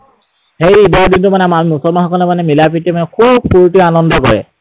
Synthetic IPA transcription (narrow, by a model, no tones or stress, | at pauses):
hejidadintʊmanɛamimusɔlmanxɔkɔlɛmanɛmilap̬itɛmanɛkʰub̚puɹtianɔndɔkɔ̰ɹɛ̰